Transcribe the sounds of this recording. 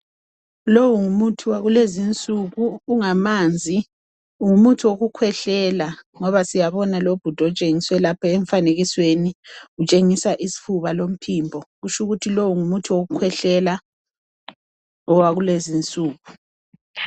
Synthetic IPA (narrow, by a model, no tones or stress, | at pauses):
lowuŋumutʰuwaɣulezint͡sʼuɣuːŋamaːnd͡zʱi | ŋumutʰuwoɣukʰwɛɬɛlaŋɔβasijaβɔnalob̥ʱud̥ʱɔt͡ʃʼeŋiswɛlapʰaɛɱfaneɣisweniut͡ʃʼeŋisaʔisi̥fuβalom̩pʰiːmbʱɔɣut͡ʃuɣutʰilowuŋumutʰuwoɣukʰwɛɬɛla | ɔwaɣulezint͡sʼuːɣu